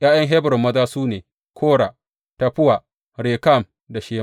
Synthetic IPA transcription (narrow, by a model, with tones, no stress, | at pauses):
j̰ʔaː˦jɐ˦ŋɦe˦bɾʊ˨mːɐ˦taː˦suː˦neː˨ | kʰoː˦ɽaː˨ | ta˨ɸʊ˦wa˨ | ɽeː˨ka˦˨m | da˨ʃeː˦ma˦